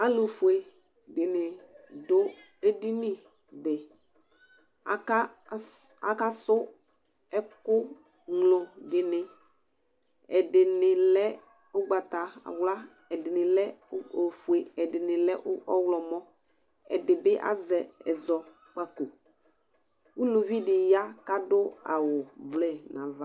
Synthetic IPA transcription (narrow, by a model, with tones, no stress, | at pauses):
a˦lo˨fu˨e˨ | dɪ˨nɪ˨dʊ˦ | e˦di˦nɪ˨ | bɪ˨ | a˨a˦ | a˨ka˦sʊ˦ | ɛ˦kʊ˦ | ŋlo˨dɪ˨nɪ˨ | ɛ˨dɪ˨nɪ˨lɛ˦ | ʊ˦ɡ͡ba˨ta˨a̰˨wla˦ | ɛ˨dɪ˨nɪ̃˨lɛ˦o˨fu˨e˨ɛ˨dɪ˨nɪ̃˨lɛ˦ʔʊ˦ɔ˦wlɔ˨mɔ̃˦ | ɛ̰˨dɪ˨bɪ˦ʔa̰˦zɛ˨ɛ̰˨zɔ˨ | k͡pa˦ko˨ | u˦lo˨vi˦dɪ˨ja˦ka˦dʊ˦a̰˨wʊ˨blɛ˦˨nã˨va˦